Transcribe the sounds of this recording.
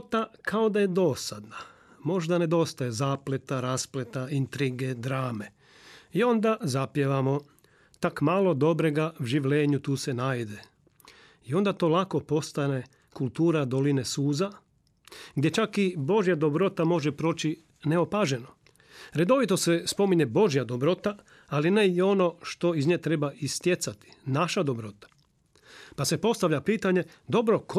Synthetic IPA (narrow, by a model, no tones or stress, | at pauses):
t̪akao̞d̪aje̞d̪o̞sad̪na | mo̞ʒd̪ane̞d̪o̞st̪aje̞zaːple̞t̪aɾasplet̪aint̪ɾiɡe̞d̪ɾaːme̞ | io̞nd̪azapjeʋamo̞ | t̪akmalˠo̞d̪o̞bɾeɡawʒiʋlʲe̞ːɲut̪uːse̞naːjd̪e̞ | io̞nd̪at̪o̞ːlˠako̞po̞st̪ane̞ | kulˠt̪uːɾad̪o̞line̞suːza | ɡd̪je̞t͡ʃakibo̞ʒjad̪o̞bɾo̞t̪amo̞ʒepɾo̞ːt͡ɕi | neopaʒe̞no | ɾe̞d̪o̞ʋit̪o̞sespo̞miɲe̞bo̞ʒjad̪o̞bɾo̞t̪a | aline̞jeo̞no̞ʃt̪o̞izɲet̪ɾe̞baist̪je̞t̪sat̪i̥naʃad̪o̞bɾo̞t̪ḁ | pasepo̞st̪aʋʎapiːt̪aɲe̞ | d̪o̞bɾo̞k